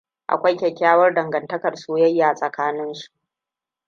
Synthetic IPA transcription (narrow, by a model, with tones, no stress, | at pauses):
ʔa̰˨kʷa˦jkʲɛ˨kʲːaː˦wɐ˦rdɐ˨ŋɡɐ˨ntɐ˦kɐ˨rsuː˦jɐ˦jːaː˨sʼɐ˨kaː˦nɪ˦nʃu̥˨ʔ